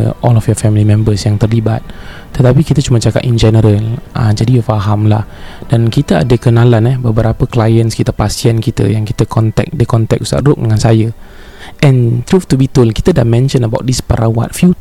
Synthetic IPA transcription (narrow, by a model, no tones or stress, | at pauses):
ʔɔlɔfjɔfɛmilimɛ̃mbəsjaŋt̪ərlibat̪̚ː | ət̪apikit̪ət͡ʃumãt͡ʃaka̰tind͡ʒɛnəɾəlʔə̰d͡ʒadijufaɦamlah | d̥ankit̪əa̰dəkənãlanɛhbəbəɾapəklajənskit̪əpasiankit̪ə̰jaŋkit̪əkʰɔnt̪ɛ̰k̚dəkɔnt̪ɛk̚u̥sa̰ʔɾʊk̚dəŋãnsajə | ʔɛ̃nt̪ɾuft̪ubit̪ulkit̪ədamɛ̃nʃə̃nəbawt̪̚dispəɾawa̰t̪̚fju